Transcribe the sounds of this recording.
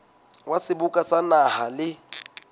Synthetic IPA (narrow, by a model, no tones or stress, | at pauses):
wasɪbukʼasanahalɪ